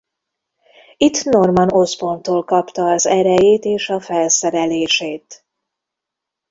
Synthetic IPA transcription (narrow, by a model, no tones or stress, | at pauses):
it̪ːno̞rmɒno̞spo̞nt̪oːlkɒpt̪ɒːzɛɾɛjeːt̪eːʃɒfɛlsɛɾɛleːʃeːt̪